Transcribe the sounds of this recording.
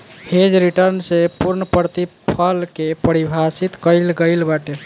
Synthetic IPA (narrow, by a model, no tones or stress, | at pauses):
hed͡ʒɾiʈəɾnsepuɾnəpɾət̪ipʰəlkepəɾibʱasit̪kəɪlɡəjlbaʈel